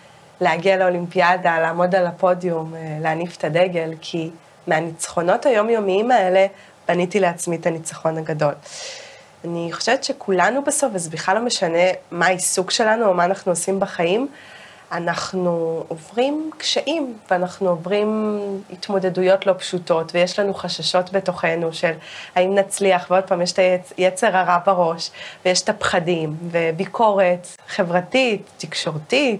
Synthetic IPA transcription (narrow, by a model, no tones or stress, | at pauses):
leaɡialeolimpiadalaːmo̞dalapo̞dijumleanife̥tadeɡe̞lkʰi | meanit͡sχo̞no̞thajo̞mjo̞miimae̞le̞ | b̥anitileat͡smitanit͡sḁχo̞naɡado̞l | aniχoʃevetʃekʰulanubaso̞fazbiχalomeʃane̞maːisukʃe̞lanuomaːnaχnuosimbaχajim | anaχnuovʁimkʃeʔimveanaχnuovʁimitmo̞de̞dujo̞tlo̞pʃuto̞tvejeʃlanuχaʃaʃo̞tbe̞to̞χe̞nuʃe̞lhaimnat͡sliaχveo̞d̚paːmjeʃ̬taejet͡se̞ʁaʁabaʁo̞ʃvejeʃtapχadimve̞bikʰo̞ʁe̞t | χe̞vʁatitːikʃo̞ʁtit